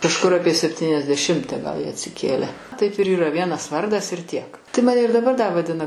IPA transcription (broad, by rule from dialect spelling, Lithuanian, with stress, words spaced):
kɐʃˈkʊr ˈɑːpʲiɛ sʲɛpʲtʲiːnʲɛzʲdʲɛˈʃʲɪmʲtʲɛ ɡɐlˠ ˈjiɛ ɐtʲsʲɪˈkʲeːlʲɛ tɐɪp ɪr iːˈrɐ ˈʋʲiɛnɐs ˈʋɐrdɐs ɪr tʲiɛk tɐɪ ˈmɑːnʲɛ ɪr dɐˈbɐr dɐ ʋɐˈdʲɪnɐ